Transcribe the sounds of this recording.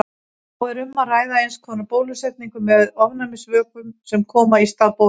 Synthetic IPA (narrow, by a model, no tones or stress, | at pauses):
ɔɛɾʏmːaraːjðaejnskʰɔnapoːwlʏsɛt̪niŋkʏmːɛðɔvnamɪsvœːkʏmsɛmkʰɔːmaist̪aːðpow